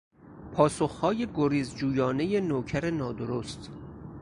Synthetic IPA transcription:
pʰɒːsoxhɒːje̞ɡoɾiːzd͡ʒuːjɒːne̞jenoːcʰæɾenɒːd̪oɾost̪

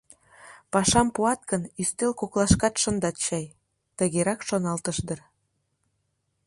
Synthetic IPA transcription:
pɑʃɑmpuɑt̪̚kənyst̪elkoklɑʃkɑt̪ʃənd̪ɑt̪̚t͡ɕɑj | t̪ə̆ɣeɾɑkʃonɑlt̪əʃd̪ər

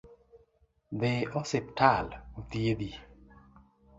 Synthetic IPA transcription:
d̪eɔsɪp̚talut̪jed̪i

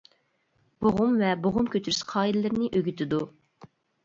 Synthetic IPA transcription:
b̥oʁʊmvɛboʁʊmkʲøt̪ʰyɾysqʰɑːilɪlɪɾnɪʔøɡʲyt̪ʰɪd̪u

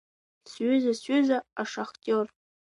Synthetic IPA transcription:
sɥʏzasɥʏzaaʂoχtʲʼor

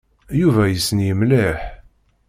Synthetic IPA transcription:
juvæjəsənjəmlɪħ

